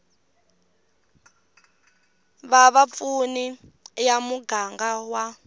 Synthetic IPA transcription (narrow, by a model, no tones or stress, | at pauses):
βaβap̪funijamuɡaŋɡawa